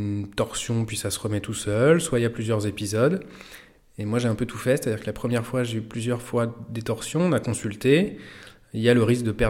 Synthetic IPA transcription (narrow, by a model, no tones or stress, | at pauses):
nt̪ɔʁsjɔ̃pɥisasəʁəmɛt̪usœlswailjaplyzjœʁzepizɔd̪ | emwaʒeɛ̃pøt̪ʰufɛse̥t̪ad̪iːʁkəlapχəmjɛʁfwaʒeyplyzjœʁfwad̪et̪ɔʁsjɔ̃nakɔ̃sylt̪e | iljaləʁisk̚d̪əpɛʁ